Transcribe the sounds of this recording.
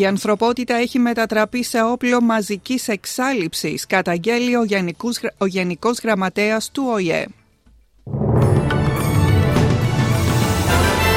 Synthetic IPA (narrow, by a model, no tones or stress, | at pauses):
iɐnθɾo̞po̞t̪it̪ɐe̞çime̞t̪ɐt̪ɾɐpise̞o̞plo̞mɐzicise̞ksɐlipsiskɐt̪ɐɲɟe̞lio̞zo̞ʝe̞niko̞zɣɾɐmɐt̪e̞ɐst̪uo̞iḛ